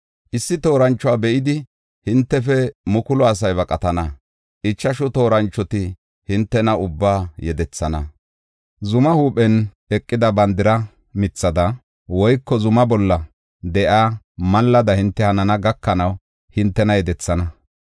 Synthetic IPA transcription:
ʔɪsːɪt̪o̞ːɾɐnt͡ʃːɔwaːbɛʔɪd̪ɪ | hɪnt̪ːɛfɛmʊkʊlɔɐs̬ɐjβɐkʼɐt̪ɐnɐ | ʔɪt͡ʃːɐʃʊt̪o̞ːɾɐnt͡ʃːɔt̪ɪ | hɪnt̪ːɛnɐʊbːaːjɛd̪ɛt͡sːɐnɐ | zʊmɐhuːpʼɛn | ɛkʼːɪd̪ɐbɐnd̪ɪɾɐ | mɪt͡sːɐd̪ɐ | wɔjkːɔzʊmɐbɔlːɐ | d̪ɛʔaː | mɐlːɐd̪ɐhɪnt̪ːɛhɐnɐnɐɡɐkːɐnɐw | hɪnt̪ːɛnɐjɛd̪ɛt͡sːɐnɐ

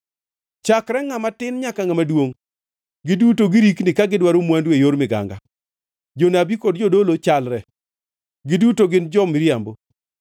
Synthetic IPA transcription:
t͡ʃakɾɛŋamatɪnɲakaŋamadwoŋ | ɡɪdutoɡɪɾiknɪkaɡɪdwaɾomwandwejoɾmɪɡa̰ŋɡa̰ | d͡ʒonabikɔdd͡ʒodolot͡ʃalɾɛ | ɡɪdutoɡɪnd͡ʒɔmɾjambo

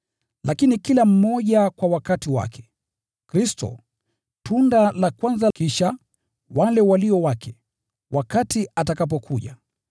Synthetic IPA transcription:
lʔakinikilam̩mɔʄakwawakatiwa̰kʰɛ̥ | kɾistɔ̰ | tundalakwanzakiʃa | walɛwaliɔwakʰɛ | wakatiatakap̬ɔkʰuʄa̰

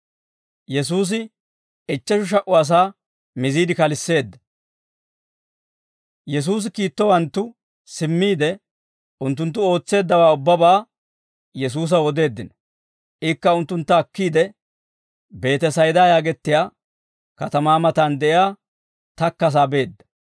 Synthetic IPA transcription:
jɛs̬uːs̬ɪ | ɪt͡ʃːɐʃʊʃ̬ɐʔʊɐs̬aː | mɪziːd̪ɪkɐlɪsːe̞ːd̪ːɐ | jɛs̬uːs̬ɪkiːt̪ːɔwɐnt̪ːʊ | sɪmːiːd̪ɛ | ʊnt̪̬ːʊnt̪ːʊo̞ːt͡sːe̞ːd̪ːɐwaːʊbːɐbaː | jɛs̬uːs̬ɐwɔd̪e̞ːd̪ːɪnɔ | ʔɪkːɐʊnt̪ːʊnt̪ːɐːkːiːd̪ɛ | be̞ːt̪ɛsɐjd̪aːjaːɡɛt̪ːɪjaː | kɐt̪ɐmaːmɐt̪aːnd̪ɛʔɪjaː | t̪ɐkːɐs̬aːbe̞ːd̪ːɐ̥

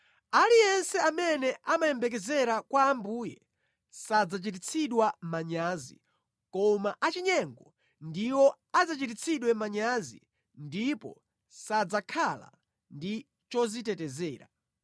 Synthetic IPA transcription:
alijɛnsɛamɛnɛʔamajɛmbɛk̬ɛzɛɾakwaːmbuːjɛ̰ | sad͡zat͡ʃit̬it͡sʰiɗwamaɲaːzḭ | kɔmaʔat͡ʃiɲɛŋɡɔ | ndiwɔ | ad͡zat͡ʃitit͡sʰiɗwɛmaɲazḭ | ndipɔ̰ | sad͡zakʰala̰ | ndi | t͡ʃɔzitɛtɛzɛːɾa̰

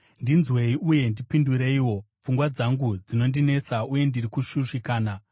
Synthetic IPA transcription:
ndinzwe̞iʔuje̞ndipinduɾe̞iwo̞ | p͡fuŋɡwad͡zaŋɡud͡zino̞ndine̞t͡sauje̞ndirikuʃuʂikaːna

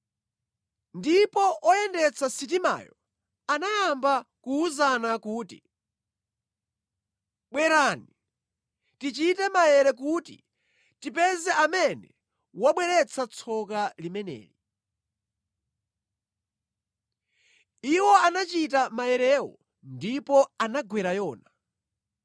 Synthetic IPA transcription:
ndipɔʔɔjɛndɛt͡sʰasit̬ima̰ːjɔ | anajambakuuzanakuːtḭ | ɓwɛɾaːni | tit͡ʃitɛmajɛɾɛk̬utḭ | tipɛzɛamɛnɛ | waɓwɛɾɛt͡sʰat͡sʰɔkalimɛnɛ̰ːɾi | iwɔanat͡ʃit̬amajɛɾɛwɔ̰ | ndipɔanaɡwɛɾajɔːna

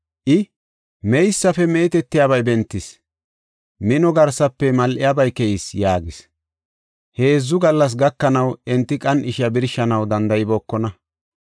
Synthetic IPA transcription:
ʔɪ | mɛjsːɐfɛmeːt̪ɛt̪ːɪjaːβɐjbɛnt̪ːɪs | mɪnɔɡɐɾsɐpːɛmɐlʔɪjaːbɐjkɛjɪsjaːɡɪs | he̞ːzːʊɡɐlːɐs̬ɡɐkːɐnɐwɛnt̪ːɪkʼɐnɪʃɐbɪɾʃɐnɐwd̪ɐnd̪ɐjɪbɔːkːɔnɐ

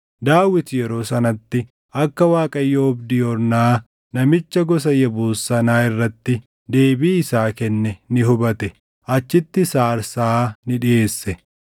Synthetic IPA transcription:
d̪aːwɪt̪jɛɾo̞ːsɐnɐt̪ːɪ | ʔɐkːɐwaːkʼɐjːoʊbd̪ɪjɔɾnaː | nɐmɪt͡ʃːɐɡɔs̬ɐjɐbuːsːɐnaːɪrːɐt̪ːɪ | d̪e̞ːbiːɪsaːkɛnːɛnɪɦʊbɐt̪ɛ | ʔɐt͡ʃːɪt̪ːɪsaːɾsaːnɪᶑɪeːsːɛ

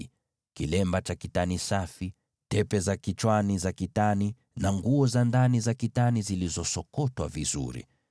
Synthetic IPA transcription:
kilɛmbat͡ʃakitanisafi | tɛpɛzakit͡ʃwanizakitani | naŋɡuɔzandanizakitanizilizɔsɔkɔtwa̰vizṵɾḭ

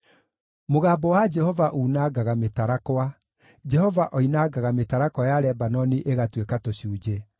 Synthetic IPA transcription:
moɣaːbɔwad͡ʒɛhɔvaʔuːnaɡaɣametaɾakɔa | d͡ʒɛhɔvaʔɔinaɡaɣametaɾakɔjaɾɛbanɔniʔeɣatwekatoɕuːd͡ʒe

